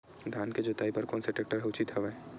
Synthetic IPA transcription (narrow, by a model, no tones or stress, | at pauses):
d̪ʱjaːnked͡ʒoːt̪aːipɐɾkɔːnseʈeːk̚ʈəɾɦɛʊt͡ʃit̪ɦɛʋɛ